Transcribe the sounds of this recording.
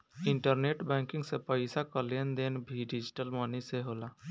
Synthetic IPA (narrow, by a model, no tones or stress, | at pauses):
ɪɳʈəɾneːʈbɛ̃ːŋkɪ̃ŋɡsepəɪsakəlijənd̪eːnbʱiɖid͡ʒiʈəlmɔniseɦoːla